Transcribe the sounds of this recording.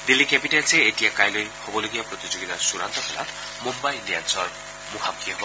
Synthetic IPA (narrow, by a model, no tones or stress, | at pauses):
d̪ilːikɛpiʈelseːtijakajlojhobɔloɡijapɾɔt̪id͡ʒoɡit̪asuɾa̰nt̪ɔkʰɔla̰t̪ʰ | mumbajliansɔɹ | mukʰakiɔbɔ